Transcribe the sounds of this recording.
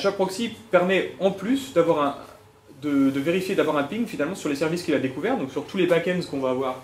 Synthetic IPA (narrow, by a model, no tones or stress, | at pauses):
ʃak̚pχɔksipɛʁmɛɑ̃plysd̪avwaʁɛ̃ | d̪əd̪əveʁifjed̪avwaʁɛ̃piŋfinalmɑ̃syʁlesɛʁviskilad̪ekuvɛʁd̪ɔ̃ksyʁt̪ulebakɛnzkɔ̃vaːvwaːʁ